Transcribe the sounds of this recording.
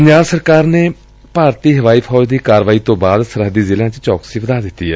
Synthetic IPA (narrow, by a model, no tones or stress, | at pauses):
ppəɲd͡ʒaːɾsəɾkaːɾneː | paːɾt̪iːɦəʋaːiːpʰɔːd͡ʒd̪iːkaːɾʋaːiːt̪õːbaːd̪səɾɦəd̪iːzɪlãːt͡ʃt͡ʃɔːksiːʋəd̪aːd̪ɪt̪ːiːɛː